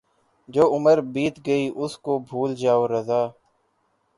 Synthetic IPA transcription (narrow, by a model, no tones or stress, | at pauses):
d͡ʒoːʊməɾbiːt̪ɡəiːʔʊskoːbʱuːld͡ʒaːoːɾəzaː